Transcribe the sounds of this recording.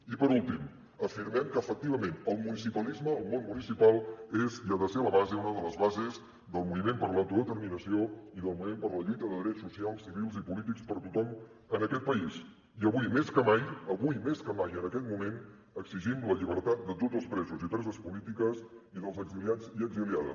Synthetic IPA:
ipəɾulˠt̪im | əfiɾmɛmkəːfək̚t̪iβ̞əmenəlˠmunisipəlizməːlˠmonmunisipalˠeziəðəseβəβazeunəðələzβazez | d̪əlˠmuβimempəɾlawˠt̪uðət̪əɾminəsioiðəlˠmuβimempəɾləʎujt̪əðəðɾɛt͡ssːusialˠsːiβilˠzipulit̪ikspəɾt̪ut̪ɔm | ənəkɛt̪̚pəis | iəβujmeskəmajəβujmeskəmajənəkɛt̪̚mumen | əkziʒimləʎiβ̞əɾt̪at̪̚d̪ət̪od͡zəlˠspɾɛzuzit̪ɛzəspulit̪ikəsiðəlˠzəɡziliad͡ziəɡziliaðə̰s

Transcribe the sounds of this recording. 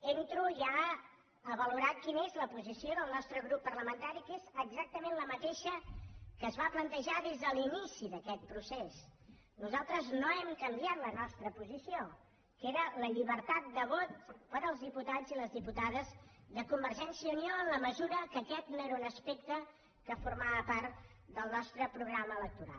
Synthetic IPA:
ent̪ɾuʒa | əβəluɾat̪̚kinezləpuzisioðəlˠnɔst̪ɾəɣɾupːərləmənt̪aɾikezəɡzak̚t̪əmenləmət̪eʃəkəzβaplənt̪əʒaðezðəlinisiðəkɛt̪̚pɾuses | nuzalˠt̪ɾəznoɛmkəmbjat̪lənɔst̪ɾəpuzisio | keɾələʎiβəɾt̪at̪̚d̪əβɔt̪pəɾəlˠzðiput̪ad͡ziləzðiput̪aðəzðəkumbərʒɛnsiəunioənləməzuɾəkəkɛt̪̚noeɾəunəspekt̪ə | kəfurmaβəpaɾt̪d̪əlˠnɔst̪ɾəpɾuɣɾaməːlək̚t̪uɾa̰lˠ

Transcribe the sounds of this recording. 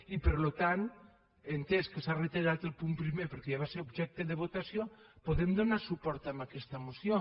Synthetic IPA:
ipeɾlot̪an | ent̪eskesaret̪eɾat̪elpumpɾimepeɾkejaβaseɾobʒɛk̚t̪eðeβot̪asjopoðemd̪onasupɔɾt̪amakɛst̪amosjo

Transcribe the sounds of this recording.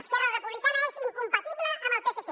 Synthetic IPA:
st̪aɾarepuβlikanaesiŋkumpat̪iβleʔanalp̪esas

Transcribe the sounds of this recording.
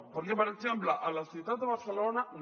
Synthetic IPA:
poɾepaɾexemplaʔalaθit̪ad̪d̪eβaɾθelonan

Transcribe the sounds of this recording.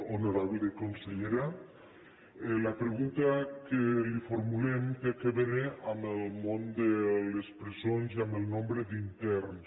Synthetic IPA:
onoɾaβleðekonseʎeɾa | elapɾeɣunt̪akelifoɾmulemkekeβeneʔamelmõnd̪elespɾezonziamelnõmbɾed̪int̪ɛɾns

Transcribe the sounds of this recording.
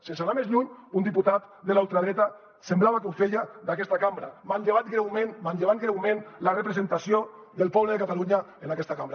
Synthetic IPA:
sensalamezʎuɲund̪iput̪at̪ | d̪elaulˠt̪ɾaðɾɛt̪a | semblaβakewfeʎad̪akɛst̪akambɾamanʎeβ̞at̪ɡɾɛwmenmanʎeβat̪̚ɡɾɛwmẽnlarepɾezent̪asjo | ðelˠpɔβleðekat̪aluɲa | enakɛst̪akambɾa

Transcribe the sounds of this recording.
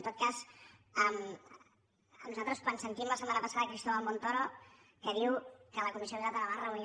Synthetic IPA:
nt̪ot̪̚kazəm | ənuzat̪ɾəskwansənt̪imləsəmanəpəsaðəkɾist̪oβamont̪ɔɾo | kəðiwkələkumisioiɾat̪ənəβarəun

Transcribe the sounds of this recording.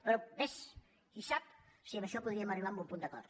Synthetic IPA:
pɾɔbes | isap | siɐβɐʃɔpuðɾiɐmɐriβambumpund̪ɐkɔ̰ɾt̪

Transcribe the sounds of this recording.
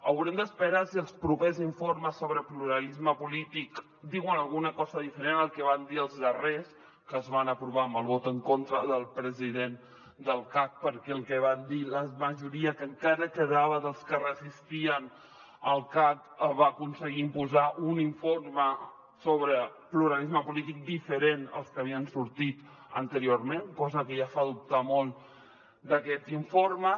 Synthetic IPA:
əwɾɛmd̪əspəɾasiəlˠspɾupeziɱforməsːoβɾəpluɾəlizməpulit̪ik | d̪iɣwənəlˠɣunəkɔzəðifəɾenəlˠkɛβand̪iəlˠzðəres | kəːzβanəpɾuβaəmbəlˠβɔt̪əŋkont̪ɾəðəlˠpɾəziðen | d̪əlˠkak̚pəɾkɛəlˠkɛβand̪iləməʒuɾiəkəŋkaɾəkəðaβəðəlˠskərəzist̪iən | əlˠkak | βaəkunsəɣiːmpuzaʔuniɱformə | soβɾəpluɾalizməpulit̪ik̚d̪ifəɾenə̰lˠskəβiənsuɾt̪it̪ | ə̰nt̪əɾioɾmenkɔzəkəjafaðup̚t̪amolˠ | d̪əkɛt̪iɱformə

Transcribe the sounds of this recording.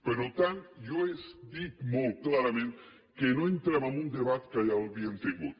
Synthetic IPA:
pelot̪anjoesd̪ikmolklaɾamẽnt̪e | kenoent̪ɾamamũnd̪eβat̪e̥kajaolbjent̪eŋɡu

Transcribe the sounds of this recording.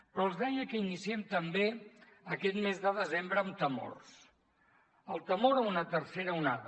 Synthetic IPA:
pɾɔəlˠzðɛjəkəinisiɛmt̪əmbe | əkɛt̪mezðəðəzembɾəːmt̪əmo̰rs | əlˠt̪əmoɾəunət̪əɾseɾəunaðə

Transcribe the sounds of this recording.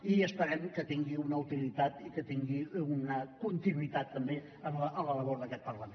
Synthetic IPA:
iəspəɾɛmkət̪iŋɡiunəut̪ilit̪at̪ikət̪iŋɡiunəkunt̪inwit̪at̪ːəmbe | əʔələləβɔɾðəkɛt̪̚pəɾləmen

